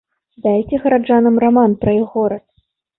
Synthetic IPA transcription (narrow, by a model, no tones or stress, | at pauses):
d̪ajt͡sʲɛɣɐɾad͡ʐanɨmramanpɾɐjɔɣɔɾɐt̪̚